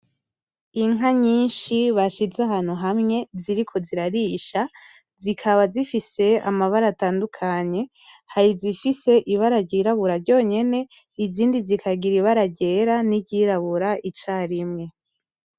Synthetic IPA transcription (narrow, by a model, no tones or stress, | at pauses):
iŋaɲiːnʃiβaʃizaɦan̥huɦamŋe̞ziɾikʰo̞ziɾaɾiʃa | zikʰaβazifise̞a̰maβaɾataːndukʰaɲe̞ | haɾizifise̞ʔiβaɾaɟiɾaβuɾaɾɟo̞ːɲe̞ne̞ | iziːndizikʰaɡiɾiβaɾaɟe̞ɾaniɟiɾaβuɾaʔit͡ʃaːɾimŋe̞